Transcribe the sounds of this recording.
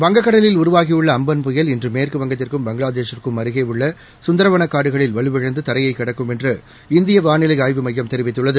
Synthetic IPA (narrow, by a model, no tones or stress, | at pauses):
ʋɐŋɡɐkːɐɽɐlɪlʊɾʊʋaːɣijɯɭːɐːmbɐnpʊjɐlɪndrɯmːeːrkɯʋɐŋɡɐt̪ːɪrkɯmbɐŋɡɭaːðeːʂɐrkɯmːɐɾɯɣɐɪɯɭːɐ | sʊnd̪ɐɾɐʋɐnɐkːaːɽɯɣɐɭɪlʋɐɭɯʋɪɻɐnd̪ɯt̪ɐɾɐjɐɪkːɪɽɐkːɯmɛndrɯ | ɪnd̪ɪjɐʋaːnɪlɐjaːjʋɯmɐjːɐmt̪ɛɾɪʋɪt̪ːɯɭːɐðɯ